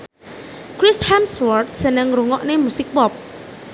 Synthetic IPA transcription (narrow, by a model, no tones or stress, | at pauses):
kɾɪshɛmswɔrt̪̚sənɛŋɾuŋɔʔnemusɪk̚pɔp̚